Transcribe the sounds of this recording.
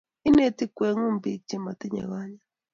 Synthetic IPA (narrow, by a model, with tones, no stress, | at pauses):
i˦ne˨ti˦kwe˨˦ŋu˦mbi˦k̚t͡ʃi˦ma˨t̪i˦ɲa̰˨ɣa˦ɲa˦